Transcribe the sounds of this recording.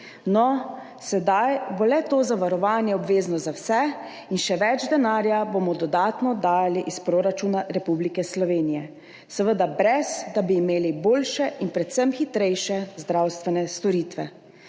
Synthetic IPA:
nɔ | sɛd̪ajbolɛt̪oːzaʋaɾɔʋaːnjɛɔbʋeːznɔzawsɛ | inʃɛʋɛd͡ʒd̪ɛnaːɾjabomɔd̪ɔd̪aːt̪nɔd̪aːjaliʔispɾoːɾat͡ʃuːnaɾɛpublikɛslɔʋeːnijɛ | səʋəd̪abɾɛzd̪abiːmeːliboːlʃɛʔinpɾɛt̪səmxit̪ɾɛjʃɛzd̪ɾawst̪ʋɛnɛst̪ɔɾiːt̪ʋɛ

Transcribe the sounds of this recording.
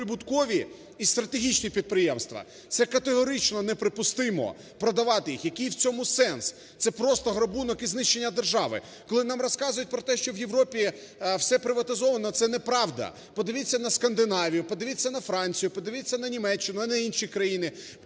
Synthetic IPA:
ɪbʊt̪kɔʋʲi | ist̪ɾɐt̪eɦʲit͡ʃnʲipʲid̪̚pɾɪjɛmst̪ʋɐ̰ | t̪sɛkɐt̪eɦɔɾɪt͡ʃnɔnɛpɾɪpʊst̪ɪmɔ̰ | pɾɔd̪ɐʋɑt̪ɪjixjɐkɪjwt͡sʲɔmʊsɛns | t̪sɛpɾɔst̪ɔɦɾɔbunɔkiznɪʃt͡ʃːe̞nʲːɐd̪erʒɑʋɪ̰ | kɔlˠɪnɑmrɔskɑzʊjʊt̚ʲpɾɔt̪ɛʃt͡ʃɔwjeʋɾɔpʲi | wsɛpɾɪʋɐt̪ɪzɔʋɐnɔt̪sɛnɛpɾɑʋd̪ɐ̰ | pɔd̪ɪʋʲit͡sʲːɐnɐskɐnd̪ɪnɑʋʲijʊpɔd̪ɪʋʲit͡sʲːɐnɐfɾɑnʲt͡sʲijʊpɔd̪ɪʋʲit͡sʲːɐnɐnʲimɛt͡ʃːɪnʊɐnɛinʃikɾɐjinɪ

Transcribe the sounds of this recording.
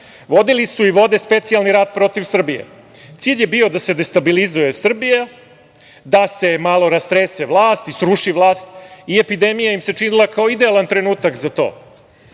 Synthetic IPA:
ʋo̞d̪ilisuiʋo̞d̪e̞spe̞t̪sialniɾaːd̪̚pɾo̞t̪iʋsr̩bijḛ | t̪siːʎje̞bio̞d̪ase̞d̪est̪abilizuje̞sr̩bija | d̪ase̞malˠo̞ɾast̪ɾeseʋlˠaːst̪isɾuʂiʋlˠaːst̪iepid̪e̞mijajimse̞t͡ʂinilˠakao̞id̪e̞alˠant̪ɾe̞nuːt̪akzat̪o̞̰ː

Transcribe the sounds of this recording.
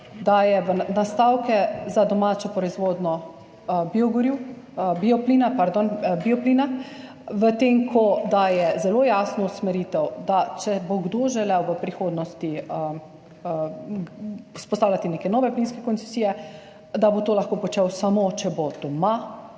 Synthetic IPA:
d̪ajɛʋənast̪aːwkɛzad̪ɔmaːt͡ʃɔpɾɔizʋoːd̪nɔ | biɔɡuɾju | biɔpliːnapaɾd̪onbiɔpliːna | ʋət̪eŋkʰɔd̪ajɛzɛloːjaːsnɔusmɛɾiːt̪ɛwd̪at͡ʃɛboɡd̪oʒɛlɛwʋəpɾixoːd̪nɔst̪iə | spɔst̪aːwlat̪ineːkɛnɔːʋɛpliːnskɛkɔnsɛsiːjɛ | d̪abot̪oːlaxkoːpɔt͡ʃɛwsamot͡ʃɛbod̪̥ɔma

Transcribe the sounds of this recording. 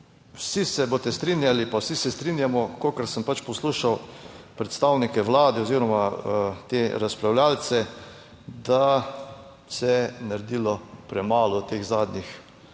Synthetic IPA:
wsisɛbot̪ɛst̪ɾinjalipawsisɛst̪ɾinjamɔkoːkəɾsəmpat͡ʃpɔsluːʃawpɾɛt̪st̪aːwnikɛʋlaːd̪ɛɔziːɾɔmat̪eɾaspɾawljaːlt̪sɛ | d̪a | sɛnaɾd̪ilɔpɾɛmaːlɔt̪eːxzaːd̪nix

